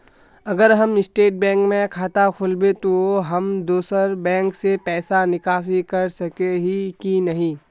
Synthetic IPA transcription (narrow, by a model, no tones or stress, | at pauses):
ɐɡəɾɦɐmɪsʈeːʈ̚bɛ̃ːŋkmẽkʰaːt̪akʰʊlbet̪oɦɐmd̪oːsəɾbɛ̃ːŋksepɛːsanɪkaːs̬ikɐɾsɐkeɦikinɐɦĩː